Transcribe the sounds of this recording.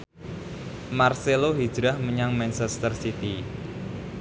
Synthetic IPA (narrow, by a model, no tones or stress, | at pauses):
marseloɦi̥d͡ʒɾahməɲaŋmɛnt͡ʃɛst̪ərsit̪i